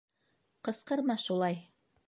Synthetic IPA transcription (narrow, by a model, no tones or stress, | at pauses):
qɤ̆sqɤ̆ɾmɑʃulˠɑj